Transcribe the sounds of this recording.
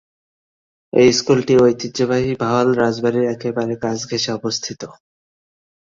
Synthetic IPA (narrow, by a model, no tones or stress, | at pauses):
ejskulʈiojt̪it̪ːd͡ʑobaɦibʱaalɾad͡ʑbaɾiɾɛkebaɾekat͡ɕɡʱeʃeɔbost̪ʰit̪o